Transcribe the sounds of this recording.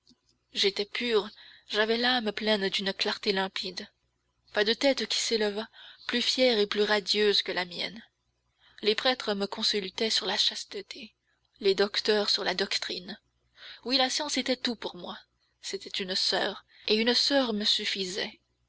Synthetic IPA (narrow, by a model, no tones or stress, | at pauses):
ʒet̪ɛpʰyːʁʒavɛlamplɛnd̪ynklaʁt̪elɛ̃pʰid̪ | pad̪ət̪ɛt̪kʲi̥seləvaplyfjɛʁeplyʁad̪jøzkəlamjɛ̰n | lepχɛt̪χəməkɔ̃sylt̪ɛsyʁlaʃast̪ət̪ʰe | led̪ɔkt̪œːʁsyʁlad̪ɔkt̪χin | wilasjɑ̃set̪ɛt̪upuʁmwa | set̪ɛt̪ynsœːʁ | eynsœʁməsyfizɛ